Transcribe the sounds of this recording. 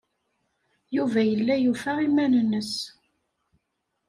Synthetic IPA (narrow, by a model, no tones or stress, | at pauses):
juvæjəlːæjufæʁimːænənːəs